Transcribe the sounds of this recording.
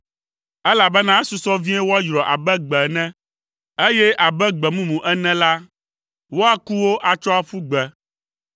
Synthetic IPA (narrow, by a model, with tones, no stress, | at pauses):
ɛ˦la˨bɛ˦nã˦su˨sɔ˦vĩ˦ɛ˦wo˦a˦jɾɔ˨ʔa˨bɛ˦ɡ͡bɛ˨nɛ̃˦ | e˦jɛ˦ʔa˨bɛ˦ɡ͡bɛ˨mũ˦mũ˨ʔɛ˦nɛ̃˦la˦ | wo˦a˦ku˦wo˦ʔa˨t͡ʃɔ˦a˦fu˦ɡ͡bɛ˨